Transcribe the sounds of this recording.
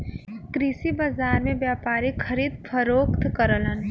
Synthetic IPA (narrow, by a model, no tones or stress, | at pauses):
kɾisibaːzaːɾmẽbjaːpaːɾikʰəɾiːd̪fʰəɾoːkt̪kəɾələn